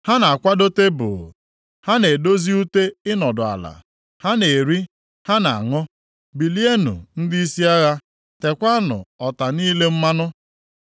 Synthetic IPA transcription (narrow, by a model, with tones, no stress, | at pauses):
ha˦na˨a˨kʷa˦do˦te˦bʊ̰˨ | ha˦ne˨do˦zi˦u˦te˦ɪ˦nɔ˨dʊ˨a̰˨la̰˨ | ha˦ne˨ɾi˦ | ha˦na˨ŋɔ˦ | bi˨li˦e˦nṵ˨n̩˦di˦i˦si˦a˦ɣa˦ | te˨kʷa˦nʊ̰˨ɔ˨ta˨niː˦le˦m̩˦ma˦nʊ˦